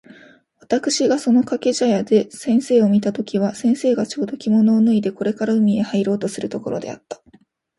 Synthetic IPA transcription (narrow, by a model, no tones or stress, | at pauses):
βat̪akɯ̟̥ɕiɡaso̞no̞kake̞ʑajad̪e̞sẽ̞ɰ̃se̞ːo̞mʲit̪at̪o̞kʲiβasẽ̞ɰ̃se̞ːɡat͡ɕo̞ːd̪o̞kʲimo̞no̞ːnɯ̟id̪e̞ko̞ɾe̞kaɾaɯ̟mʲie̞haiɾo̞ːt̪o̞sɨɾɯ̟t̪o̞ko̞ɾo̞̰d̪e̞̰a̰t̪ːḁ